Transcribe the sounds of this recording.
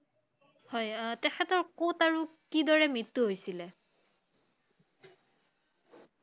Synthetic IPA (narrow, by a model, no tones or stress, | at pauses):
hɔjtɛxʰɛtɔɹkotaɹukidɔɹɛmɹitːuɦojsilɛ